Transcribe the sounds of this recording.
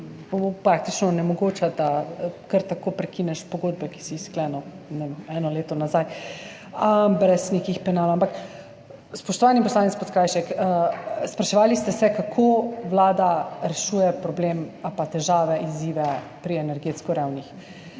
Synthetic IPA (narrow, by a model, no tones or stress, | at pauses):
bopɾak̚t̪it͡ʃnɔnɛmɔɡoːt͡ʃad̪akəɾt̪akoːpɾɛkinɛʃpoɡoːd̪̚bɛki̥sisklɛnɔ | nemɛnɔleːt̪ɔnazaj | əbɾɛsnekixpɛnaːlampak | spɔʃt̪ɔʋaːnimpɔslaːnit̪spot̪kaːjʃɛkəspɾaʃɛʋaːlist̪ɛsɛkakʰoʋlaːd̪aɾɛʃuːjɛpɾɔblemapat̪ɛʒaːʋɛʔiziːʋɛ | pɾiɛnɛɾɡeːt̪skɔɾɛwnix